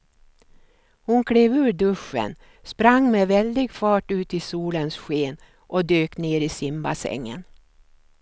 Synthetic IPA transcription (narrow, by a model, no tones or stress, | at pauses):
hʊnkʰɽeːvʉ̟ːɾɖɵʂːə̰n | spɾaŋːmeːvɛld̪ɪɡfɑːʈʉ̟ːt̪ɪsuːlənsɧeːn | ʔɔd̪øːkneːɾɪsɪmba̰sɛ̰ŋːə̰n